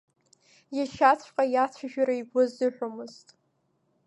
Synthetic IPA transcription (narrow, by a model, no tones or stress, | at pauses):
jaʃat͡sʷʰqʼajat͡sʷʰaʒᶣaɾaiɡʷʊzdɨħᶣomɨztʼ